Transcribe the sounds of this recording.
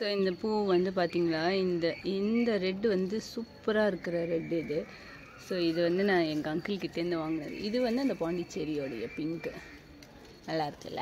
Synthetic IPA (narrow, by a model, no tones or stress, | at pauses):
soːɪnd̪ɐpuːʋɐnd̪ɯpaːɾt̪iːŋɡɐɭaːɪnd̪ɐɪnd̪ɐɾɛɖːɯʋɐnd̪ɯsuːpːɐɾaːɪɾɯkːɯɾɐɾɛɖːɯɪðɯ | soːɪðɯʋɐnd̪ɯnãːɛŋɡɐɐŋkɪlkːɪt̪ːeːnd̪ɯʋaːŋɡɐnɐ̰ðɯ̰ʔɪðɯʋɐnd̪ɯɐnd̪ɐpaːɳɖɪt͡ʃːɛɾɪjoːɽɐ̰jɐ̰pɪŋkɯ | nɐlːaːɪɾɯkːɐ̰lːɐ̰